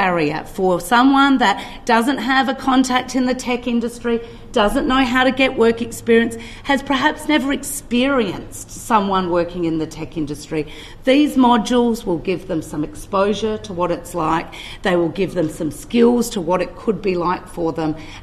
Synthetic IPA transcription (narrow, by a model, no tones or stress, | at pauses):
ɛɹiɨ̰fə˞sʌ̃mwʌ̃nðɨt̚ | d̥ʌzɨ̃nʔɦɨvɨkʰɑ̃ntʰæk̚tɨ̃nðɨtʰɛkɪ̃ndɨstɹ̥i | d̥ʌzɨ̃nnːoʊɦaʊɾɨɡɛʔwʔɜ˞kɨkspɪɹiɨ̃ns | hɨz̥pʰə˞ɦæpsnɛvə˞ɨkspɪɹiɨ̃ns | sʌ̃mwʌ̃nwɜ˞kɪ̃ŋɨ̃nðɨtʰɛkɪ̃ndɨstɹ̥i | ðizmɑd͡ʒl̩ˠzwɪlˠɡɪvðɨ̃msʌ̃mɨkspoʊʒə˞ɾəwʌɾɨtslaɪk̚ | ðeɪwɪlˠɡɪvðɨ̃msʌ̃mskɪlˠz̥tʰəwʌɾɨt̚kʰəd̚bilaɪkfə˞ðə̃m